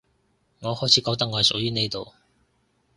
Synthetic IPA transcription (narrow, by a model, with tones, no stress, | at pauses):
ŋɔː˨˧hɔː˥˩t͡sʰiː˨˥kɔː˧˥kt̪̬ɐ˥kŋɔ˧hjsʊ˨k̚jyː˥ne˥jt̪o˨w